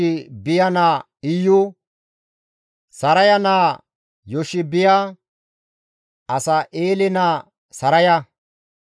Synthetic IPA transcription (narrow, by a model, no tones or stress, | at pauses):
ɪbɪjɐnaː | ɪjʊ | sɐɾɐjɐnaː | jɔʃɪbɪja | ɐsɐʔeːlɪnaː | sɐɾɐjɐ